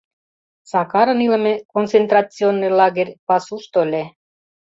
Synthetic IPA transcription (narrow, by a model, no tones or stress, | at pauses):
sɑkɑɾə̆nilə̆mekont͡sent̪ɾat͡sionːelɑɡerʲpɑsuʃt̪olʲe